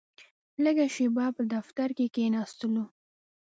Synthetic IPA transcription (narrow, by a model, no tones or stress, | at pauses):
ləɡaʃebɑpəd̪aft̪aɾkekenɑst̪əlu